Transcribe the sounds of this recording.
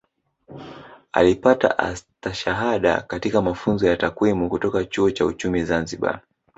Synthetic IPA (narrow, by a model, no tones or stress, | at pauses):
a̰lipata̰ʔa̰staʃaɦaɗa̰katikamafunzɔjatakwimukutɔkat͡ʃuɔt͡ʃaṵt͡ʃumizanziɓa̰